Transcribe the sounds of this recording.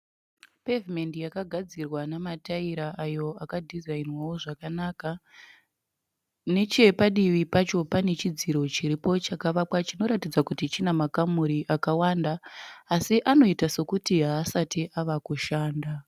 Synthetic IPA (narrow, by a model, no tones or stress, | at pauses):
pe̞vime̞ndijakaɡʱad͡zirwanamataiɾaʔajo̞akadʱizainwawo̞ʐakanaka | ne̞t͡ʃe̞paɗiʋipat͡ʃo̞pane̞t͡ʃid͡ziɾo̞t͡ʃiɾipo̞t͡ʃakaʋapwat͡ʃino̞ɾatid͡zakutit͡ʃinamakamuɾiʔakawandaːsiʔano̞itase̞kutiɦaːsatiʔaʋakuʃaːnda